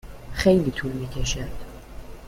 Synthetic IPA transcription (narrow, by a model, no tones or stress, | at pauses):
xejliːt̪ʰuːɾmiːcʰeʃæɾd̪̥